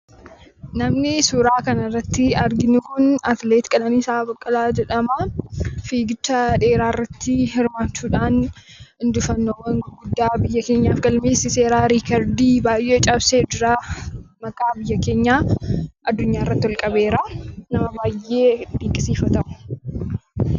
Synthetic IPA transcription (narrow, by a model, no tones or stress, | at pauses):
nɐmnɪsuːɾaːkɐnɐrːɐt̪ːɪɐɾɡɪnɪkʊnɐt̪leːt̪kʼɐlɐniːsaːbɐkʼːɐlaːd͡ʒɛᶑɐmɐfiːɡɪt͡ʃːɐᶑe̞ːɾaːɪrːɐt̪ːɪhɪɾmaːt͡ʃːuːᶑaːn | ɪnd̪ʊfɐnːoːwɐŋɡɡʊd̪ːaːbɪjːɐke̞ːɲːaːfɡɐlmeːsɪse̞ːɾaːɾiːkɐɾd̪iːbaːjʔeːt͡ʃʼɐbseːd͡ʒɪɾamɐkʼaːbɪjːɐke̞ːɲːaːʔɐd̪ːʊɲːaːɪrːɐt̪ːɪwɐlkʼɐbe̞ːɾanɐmɐbaːjʔːe̞ːd̪iːŋkʼɪsiːfɐt̪ɐʔʊ̥